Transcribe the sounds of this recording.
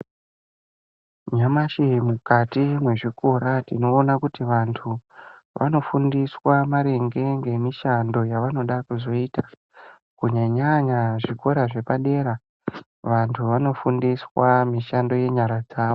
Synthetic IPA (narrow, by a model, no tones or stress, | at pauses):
ɲamaʃimukatimwe̞ʐikʰoɾatino̞ːnakutiʋantʰu | ʋa̰no̞fundiswamaɾe̞ŋɡe̞ŋɡe̞miʃando̞jaʋano̞ɗakuzo̞ita | kuɲaɲaɲaʐiko̞ɾaʐe̞paɗe̞ːɾa | ʋantʰuʋano̞fundiswamiʃando̞je̞ɲaɾad͡zaːʋo